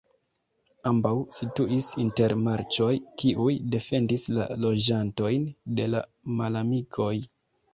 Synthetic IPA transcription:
ambawsituʔisinte̞ɾmaɾt͡ʃo̞jkiʔujde̞fe̞ndisla̰lo̞d͡ʒanto̞jnde̞la̰ | malamikʰo̞j

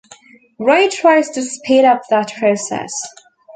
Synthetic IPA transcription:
ɹaɪtʰɹ̥aɪz̥tʰɨspʰiɾʌp̚ðət̚pʰɹ̥oʊsɛ̰s

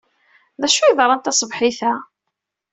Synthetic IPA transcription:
ðæʃujðˤɾˤɑnt̪ɑsˤvħiθæ

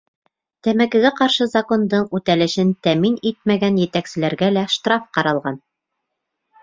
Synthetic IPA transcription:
t̪æmækɘ̆ɡæqɑɾʃɤzɐko̞nd̪ɤɴʉt̪ælɘ̆ʃɘnt̪æminit̪̚mæɡænjɘ̆t̪æksɘ̆læɾɡælæʃt̪rɑfqɑɾɑlˠʁɑn

